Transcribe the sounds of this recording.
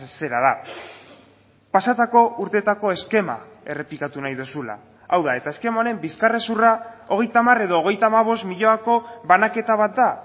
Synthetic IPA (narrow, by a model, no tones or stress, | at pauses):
se̞ɾaða | pasat̪ako̞ʔuɾt̪e̞t̪ako̞e̞ske̞ma̰ | e̞re̞plikat̪unajðusula̰ | awðae̞t̪ae̞ske̞maoɾe̞mbiskare̞surao̞ɣ̞e̞jt̪amaɾe̞ðo̞ːɣe̞jt̪aːmaβ̞o̞st̪miʎo̞ako̞βanake̞t̪aβat̪̚d̪a